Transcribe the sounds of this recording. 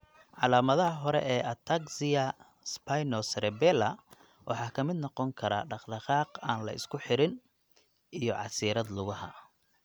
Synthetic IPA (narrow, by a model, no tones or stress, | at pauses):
ʕɑlaːmɐðɐɦɐɦɔɾɛ̰ʔɛːʔɐt̪ʰaksɪjɐ | spʰajnɔsɾɛbɛlɐ | wʔɑ̰ħɑːkʰɐmɪd̪nɔqɔŋkʰɐɾa̰ɖɑqd̪ɐqɑːqaːnlɐ̰ʔɪ̰skʰʊħɪɾɪn | ijɔʕɑ̰siːɾɐd̪lʊɣɐɦɐ̰